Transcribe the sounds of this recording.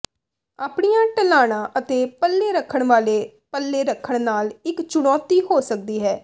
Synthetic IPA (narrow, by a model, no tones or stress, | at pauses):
aːpɳijãːʈəlaːɽ̃ãːʔət̪eːpəlːeːɾəkʰəɳʋaːleː | pəlːeːɾəkʰəɳnaːlɪkt͡ʃʊɽɔːt̪iːɦoːsək̚d̪iːɦɛː